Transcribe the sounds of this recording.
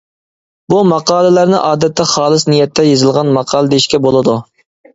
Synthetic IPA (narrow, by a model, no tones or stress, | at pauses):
bumɑqɑːlˠɨlæɾnɪ̰ʔɑːd̪ɛt̪ʰːɛχɑːlˠɨsnijɛt̪ʰːɛjezɨlˠʁɑnmɑqʰɑːlˠɨd̪eiʃkʲɛbolˠɨd̪u